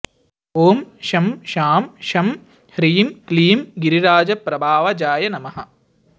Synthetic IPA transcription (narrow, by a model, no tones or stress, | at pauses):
oːmʃɐmʃaːmʃɐm | hɾiːmkliːmɡiɾiɾaːd͡ʒɐpɾɐbʱaːʋɐd͡ʒaːjɐnɐmɐɦɐ